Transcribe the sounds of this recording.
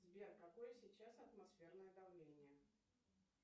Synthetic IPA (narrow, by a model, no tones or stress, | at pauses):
zʲbʲerkɐkojəsʲɪt͡ɕasɐt̪mɐsfʲe̞rnəjəd̪ɐvlʲenʲɪjə